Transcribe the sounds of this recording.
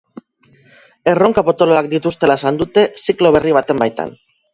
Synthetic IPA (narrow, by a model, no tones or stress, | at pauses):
e̞ro̞ŋkapo̞t̪oloak̚d̪it̪ust̪e̞laesand̪ut̪e̞siklo̞βe̞riβ̞at̪e̞mbajt̪a̰n